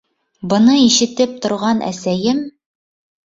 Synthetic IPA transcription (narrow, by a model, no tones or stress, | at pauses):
bɤ̆nɤiʃɘ̆t̪ɘp̚t̪ŏɾʁɑnʔæ̰sæjɘm